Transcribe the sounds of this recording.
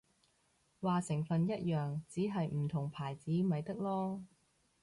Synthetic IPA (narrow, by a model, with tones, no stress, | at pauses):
waː˨sɪ˨˩ŋfɐ˨njɐ˥t̚jœː˨ŋt͡siː˨˥ɦɐ˨jm̩˨˩t̪ʰʊ˨˩ŋpʰaː˨˩jt͡siː˨˥mɐ˨jt̪ɐ˥k̚lɔː˥